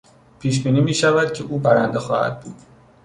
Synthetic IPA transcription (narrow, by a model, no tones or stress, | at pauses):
pʰiːʃ̬biːniːmiːʃævæd̪̥̚cʰeʔuːbæɾænd̪exɒːhæ̰d̪̚buːd̪